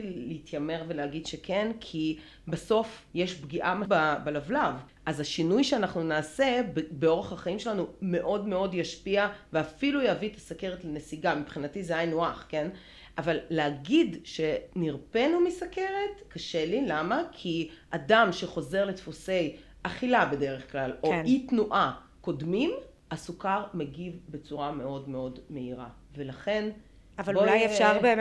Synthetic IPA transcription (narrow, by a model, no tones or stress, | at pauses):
leit̪ʰjame̞ʁveleaɡidʃe̞kʰe̞nkʰi | baso̞fjeʃbɡiʔamababelavlav | ʔazaʃinujʃeanaχnunaːse̞bbeo̞ʁeχhaχaimʃelanume̞ʔo̞dme̞o̞djaʃpiaveafilujeaviet̪asake̞ʁetlenesiɡamipχinatizeajnoaχke̞n | ʔavalːeaɡidʃe̞niʁpenumisake̞ʁet̪kaʃelilamakʰiʔadamʃeχo̞ze̞ʁlet̪fose̞j | ʔaχilabe̞de̞ʁeχklalonitnuʔa | ko̞dmim | asukaʁmeɡivbet͡suʁame̞o̞dmeo̞dme̞iʁa̰ | ve̞laχe̞n | avalolajefʃaʁbe